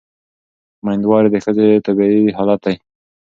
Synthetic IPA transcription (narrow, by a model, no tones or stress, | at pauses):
majnd̪wɑɾed̪əxəzet̪abiiɦɑlat̪̚d̪aj